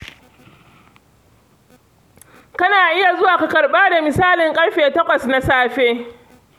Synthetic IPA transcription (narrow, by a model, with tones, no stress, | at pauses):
kɐ˦naː˨ʔɪ˦ja˨zʊ˦waː˨ka˨kɐ˨ɽɓaː˦da˨mɪ˨saː˦lɪ˨ŋkʼɐ˦ɽɸeː˨tɐ˦kʷɐ˨sna˦saː˦ɸeː˦